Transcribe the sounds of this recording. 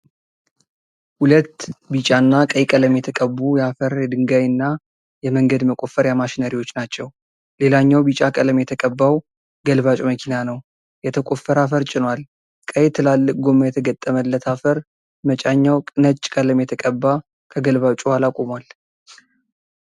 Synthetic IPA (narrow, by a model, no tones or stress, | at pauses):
hulət̪ːbit͡ʃʼanːakʼəjkʼələmjɛt̪ʰəkʼəbːujɛafəɾjɛd̪ɨŋɡajɨnːa | jɛməŋɡəd̪məkʼofːəɾjamaʃinəɾiwo̞t͡ʃːnat͡ʃːɛw | le̞laɲːawbit͡ʃʼakʼələmjɛt̪ʰəkʼəbːaw | ɡəlβat͡ʃʼuməkʰinanəw | jɛt̪ʰəkʼofəɾafəɾt͡ʃʼɪnwal | kʼəjt̪ʰɨlalːɨkʼɡo̞məjɛt̪ʰəɡət̪ʼːəməlːət̪ʰafəɾ | mət͡ʃʼaɲːawkʼɨnət͡ʃʼːkʼələmjɛt̪ʰəkʼəbːa | kʰəɡəlβat͡ʃʼuhalakʼomwal